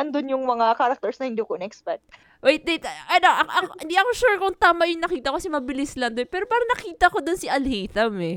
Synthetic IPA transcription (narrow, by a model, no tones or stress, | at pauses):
ɐnd̪onjʊŋmɐŋakaɾɐk̚t̪ɛɹsnɐhɪnd̪iːkoɪnɛʔɛkspɛk̚t̪ | wejt̪̚d̪et̪ʔɐnoʔɐʔɐɪ̃nd̪iʔɐkoʃuːɹkʊŋt̪aːmaʔjʊŋnɐkiːt̪ɐʔokɐsɛmɐbɪlɪslɐnd̪oɛpɛːɾopaːɾɐnɐkiːt̪ɐko̞d̪onsiʔɐlhejθɐmɛ